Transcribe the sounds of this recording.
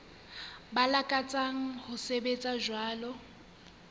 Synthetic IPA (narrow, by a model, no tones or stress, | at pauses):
balakʼat͡sʼaŋ̩hʊsebet͡sʼaʒwaːlɔ